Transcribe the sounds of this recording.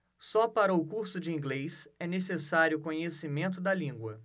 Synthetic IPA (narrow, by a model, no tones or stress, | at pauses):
sɔpaɾɐʊkuɾsʊd͡ʒɪĩɡlesɛnesesaɾjʊkõɲesimẽnt̪ʊd̪ɐlĩŋɡwɐ